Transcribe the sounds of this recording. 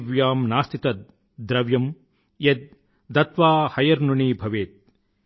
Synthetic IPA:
ʋjaːmnaːst̪ʰit̪ɐt̪̚ | d̪ɾɐʋjɐm | jɐd̪̚ | d̪ɐt̪ʋaːhɐjɐɾnuɳiːbʱɐʋeːt̪̚

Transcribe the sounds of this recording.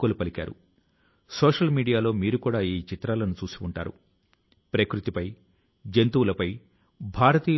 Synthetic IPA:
kolupɐlika̰ːɾṵ | soːʂɐlmiːɽijaːlo̞ːmiːɾukuːɽaːiːt͡ʃit̪ɾaːlɐnut͡ʃuːsiwuɳʈa̰ːɾṵ | pɾɐkɾut̪ipɐj | d͡ʒent̪uːlɐpɐj | bʱaːɾɐt̪iː

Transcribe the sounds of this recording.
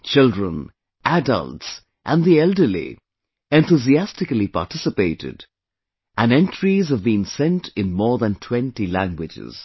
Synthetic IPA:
t͡ʃɪldɹə̰̃n | ʔædə̰lts | ʔæ̃nðiɛlˠdə˞lḭ | ɛ̃nt̪uziæstɨkəlipa̰tɪsɨpeɪɾɪ̰d | ʔæ̃nɛ̃ntʰɹ̥izʌvbĩːŋsɛ̃ntʰɪ̃nmɔːɹðə̃ntʰw̥ɛ̃ntilæ̃ŋɡwɪd͡ʒɪ̰z̥

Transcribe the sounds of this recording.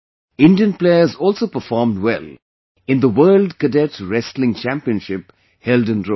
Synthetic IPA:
ɪ̃ndiə̃npleɪəzɔːlsopəfɔːɾmdwɛl | ɪ̃nd̪əwɜːldkədɛtɹɛslɪ̃ŋt͡ʃæ̃mpiə̃nʃɪp | hɛldə̃nɾo

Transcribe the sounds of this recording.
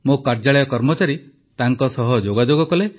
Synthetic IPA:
mokaɾd͡ʒaɭɔjɔkɔɾmɔt͡ʃaɾi | t̪aŋkɔsɔɦɔd͡ʒoɡad͡ʒoɡɔkɔle

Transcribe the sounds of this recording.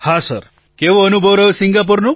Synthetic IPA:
hasəɾ | keʋoənubʱəʋɾəɦesiŋɡap̬uɾnu

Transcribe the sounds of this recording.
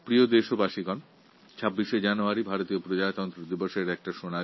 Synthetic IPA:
pɾiod̪eʃobaʃiɡɔn | t͡ɕʰabːiʃed͡ʑanoaɾibʱaɾot̪iopɾod͡ʑat̪ɔnt̪ɾod̪iboʃeɾɛk̚ʈaʃona

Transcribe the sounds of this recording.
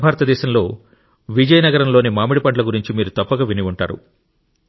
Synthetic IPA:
bʱaːɾɐt̪ɐd̪ɛːʃɐmlo̞ː | ʋid͡ʒɐjɐnɐɡɐɾɐmlo̞ːnimaːmiɽipɐɳʈlɐɡuɾiɲt͡ʃimiːɾut̪ɐpːɐɡaːʋiniʋuɳʈa̰ːɾṵ

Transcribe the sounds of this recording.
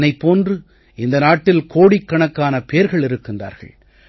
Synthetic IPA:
nɐɪpːoːndrɯ | ɪnd̪ɐnaːʈːɪlkʰoːɽikːɐɳɐkːaːnɐpeːɾɣɐɭɪɾɯkːɪndra̰ːɾɣɐ̰ɭ

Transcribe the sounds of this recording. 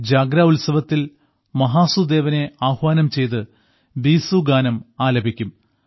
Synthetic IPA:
d͡ʑaːɡɾaulsɐʋɐt̪ːil | mɐɦaːsud̪e̞ːʋɐne̞aːhʋaːnɐmt͡ɕe̞jt̪ɨ | biːsuɡaːnɐmaːlɐbʱikʲːum

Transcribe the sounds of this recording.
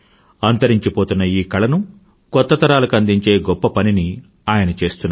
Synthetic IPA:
ɐnt̪ɐɾiɲt͡ʃipo̞ːt̪unːɐiːkɐɭɐnu | kɔt̪ːɐt̪ɐɾaːlukɐnd̪iɲt͡ʃeːɡɔpːɐpɐnini | aːjɐnɐt͡ʃe̞ːst̪unːa

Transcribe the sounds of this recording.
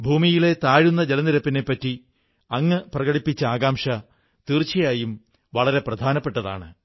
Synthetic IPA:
bʱuːmijile̞t̪aːɻunːɐd͡ʑelɐniɾɐpːine̞pːɐtːi | ɐŋːɨprɐɣɐɽipːit͡ɕːɐaːɡaːmʂɐ | t̪iːrt͡ɕɐjaːjum | ʋɐɭɐɾe̞prɐd̪ʱaːnɐpːe̞ʈːɐða̰ːɳɨ

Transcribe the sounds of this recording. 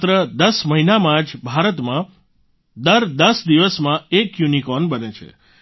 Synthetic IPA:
t̪ɾəd̪əsməɦinamãd͡ʒbʱaɾət̪mã | d̪əɾd̪əsd̪iʋəsmãekjunikɔnbənet͡ʃʰḛ

